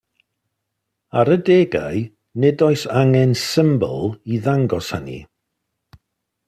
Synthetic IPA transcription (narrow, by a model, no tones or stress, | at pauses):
aɾədeːɡa̰j | nɛdɔɨsaŋɛnsɪmbɔ̰lˠiðaŋɡɔshanḭ